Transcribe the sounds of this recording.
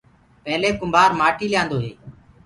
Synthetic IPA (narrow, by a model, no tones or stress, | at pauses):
pɛːleːkʊmbʱaːɾmaːʈiːlɪjãːnd̪oːɦeː